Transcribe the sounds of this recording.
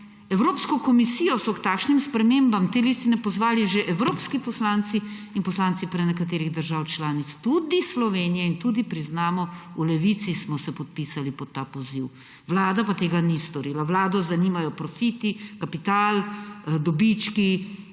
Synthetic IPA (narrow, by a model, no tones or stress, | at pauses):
ɛwɾoːpskɔkɔmisiːjɔsɔkt̪aːkʃnimspɾɛmembamt̪eːlist̪inɛpɔzʋaːliʒeʔɛwɾoːpskipɔslaːnt̪siinpɔslaːnt̪sipɾɛnɛkat̪eːɾiɣd̪əɾʒawt͡ʃlaːnit̪st̪ud̪islɔʋeːnijɛint̪ud̪ipɾiznaːmɔulɛʋit̪sismɔsɛpɔt̪̚piːsalipɔt̪ːapɔziw | ʋlaːd̪apat̪eːɡanist̪ɔɾiːlaʋlaːd̪ɔzaniːmajɔpɾɔfit̪ikapit̪aːld̪ɔbit͡ʃki